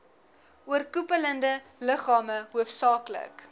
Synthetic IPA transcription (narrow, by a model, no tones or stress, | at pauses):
uərkupələndə | ləχɑːməɦuəfsɑːklə̰k